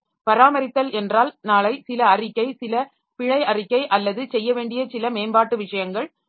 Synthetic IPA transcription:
pɐɾaːmɐɾɪt̪ːɐlɛndraːlnaːlɐɪsɪlɐɐrɪkːɐɪsɪlɐ | pɪɻɐɪɐrɪkːɐɪʔɐlːɐðɯsɛjːɐʋeːɳɖɪjɐsɪlɐmeːnbaːʈːɯʋɪʂɐjɐŋɡɐɭ

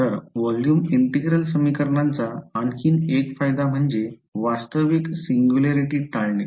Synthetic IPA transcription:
t̪əɾʋɔljuːmiɳʈiɡɾəlsəmikəɾɳant͡saːnkʰiːnekfajd̪am̤əɳd͡ze | ʋast̪əʋiksiŋɡjuleɾiʈiːt̪aɭɳe

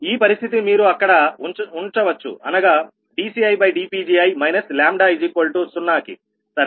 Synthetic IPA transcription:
iːpɐɾist̪ʰit̪imiːɾuɐkːɐɽɐuɳt͡ʃɐʋɐt͡ʃːṵɐ̰nɐɡa | ɖiːsiɐjbɐjɖiːpiːd͡ʒiːɐjmɐjnɐslaːmɖaːid͡ʒikoːlʈusunːaːkḭ | sɐɾ

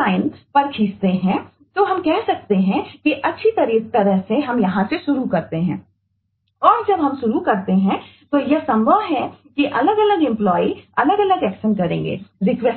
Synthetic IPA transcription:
aːɪnspɐɾkʰiːst̪eɦɛ̃ | t̪oɦɐmkɛɦsɐk̚t̪eɦɛ̃kiʔɐtːʃʰit̪ɐɾiːk̚t̪ɐɾəɦseɦɐmjɐɦãseʃʊɾukɐɾt̪eɦɛ̰̃ː | ɔːɾd͡ʒɐbɦɐmʃʊɾukɐɾt̪eɦɛ̃ | t̪ojesɐ̃mbʱəʋɦɛkiʔɐləɡɐləɡɪ̃mplɔːiɐləɡɐləɡɛːkʃənkɐɾḛ̃ːŋɡḛːɾɪkʋɛs

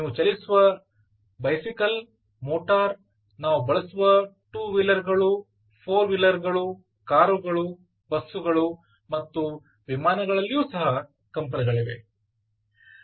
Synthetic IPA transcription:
niːʋut͡ʃɐlisuʋɐ | bɐjsikɐl | moːʈaːɾ | naːʋubɐɭɐsuʋɐ | ʈuːʋilːɐɾɡɐɭu | pʰoːɾʋilːɐɾɡɐɭu | kaːɾuɡɐɭu | bɐsːuɡɐɭu | mɐt̪ːu | ʋimaːnɐɡɐɭɐlːijuːsɐɦɐ | kɐmp̬ɐniɡɐɭiʋe̞̰

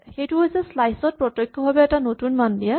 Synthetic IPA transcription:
xejtuɦɔjzɛslajsɔt̚pɹɔtɔjkʰːɔbabɛːtanotunmandija

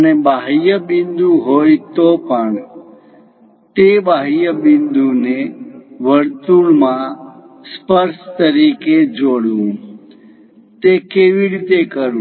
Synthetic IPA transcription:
ənebaɦjəbɪnd̪ũɦojt̪opəɳ | t̪ebaɦjəbɪnd̪uneʋəɾt̪uɳmã | spəɾʃt̪əɾiked͡ʒoɽũ | t̪ekeʋiɾit̪ekəɾũ

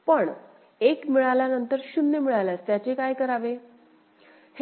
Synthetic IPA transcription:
pəɳ | ekmiɭaljanənt̪əɾɕunːemiɭalast̪jat͡ɕekajkəɾaʋe | h

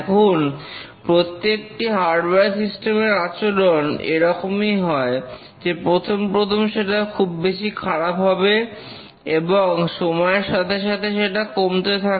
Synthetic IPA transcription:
kʰon | pɾot̪ːek̚ʈiɦaɾɖbaɾsisʈemeɾat͡ɕoɖonḛɾɔkomijɦɔe | d͡ʑepɾot̪ʰompɾot̪ʰomʃeʈakʰubːeʃikʰaɾapɦɔbe | eboŋʃomɔeɾʃat̪ʰeʃ̬at̪ʰeʃeʈakomt̪et̪ʰak

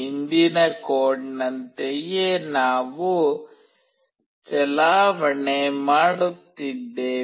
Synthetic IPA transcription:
ind̪inɐkoːʈnɐnt̪ejenaːʋu | t͡ʃɛlaːʋɐɳemaːɽut̪ːid̪ːeː

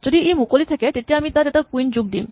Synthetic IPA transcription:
d͡ʑod̪iejmukolit̪ʰeket̪eʈiamit̪ad͡ʑet̪akuind͡ʑuɡ̚d̪ḭm

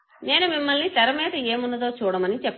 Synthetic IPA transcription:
ne̞ːnumimːɐlnit̪ɐɾɐmɛːd̪ɐe̞ːmunːɐd̪o̞ːt͡ʃuːɽɐmɐnit͡ʃɛpː

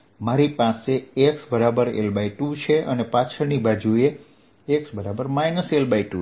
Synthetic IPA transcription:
maɾipaseeksbəɾabəɾḛlbaiʈut͡ʃʰeʔənepat͡ʃʰəɾnibad͡ʒue | eksbəɾabəɾmajnəselbaiʈu

